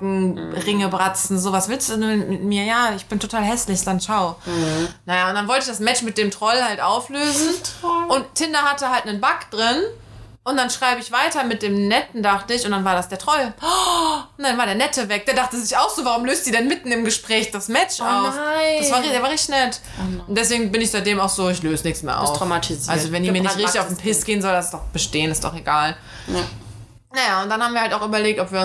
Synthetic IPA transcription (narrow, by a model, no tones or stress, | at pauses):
kŋ̩ʁɪŋəbʁat͡sn̩zoːvasvɪlstd̥uːduːmɪtmiːɐjaːɪçb̥ɪntʰotʰaːlɦɛslɪçz̥anʃaʊ | najaːʊntd̥anvɔltəɪçd̥asmɛt͡ʃmɪt̚d̥eːmtʁ̥ɔlhaltʔaʊfløːzn̩ʊnttʰːɪnɐhatəhaltnənbakd̥ʁɪn | ʔʊnt̚d̥anʃʁ̥aɪbəɪçv̥aɪtɐmɪt̚d̥eːmnɛtn̩daχtəɪçʊntd̥anvaːɐɾasd̥eːɐtʁ̥ɔl | ʊnd̥anvaːɐɾeːɐnɛtʰəvɛk̚d̥eːɐdaχtəzɪçaʊxz̥oːvaʁʊmløːstz̥iːdɛnmɪtn̩ɪmɡəʃpʁ̥ɛːçd̥asmɛt͡ʃʔaʊfdasv̥aːɪdeːɐvaːʁɛçttnɛt | ʊntd̥ɛsv̥eːɡŋ̩bɪnɪçz̥aɪt̚d̥eːmaʊxz̥oːɪçløːzənɪçtsmeːɐʔa̰ʊfʁamatʰizʔalɐlzovɛndiːmiːɐɪtʁɪçtɪçaʊfn̩pʰɪsɡ̥eːənzɔldasɪsd̥ɔχb̥əʃteːənɪstd̥ɔ̰χeɡaːl | najaːʊntd̥anhaːbmviːɐhaltaʊxʔyːbɐleːk̚tɔpv̥iːɐ